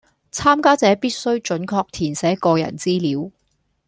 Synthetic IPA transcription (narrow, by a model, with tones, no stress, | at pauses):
t͡sʰaː˥mkaː˥t͡sɛː˨˥piː˥t̚sɵ˥wɥt͡ʃɵ˨˥nkʰɔː˧k̚t̪ʰiː˨˩nsɛː˨˥kɔː˧jɐ̰˨˩nt͡siː˥liː˨˥w